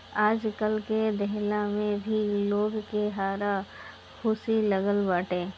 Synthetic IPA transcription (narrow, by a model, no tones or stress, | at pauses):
aːd͡ʒkəlked̪ɛɦlamẽbʱiloːɡkeɦaːɾa | xʰʊsiləɡəlbaːʈẽː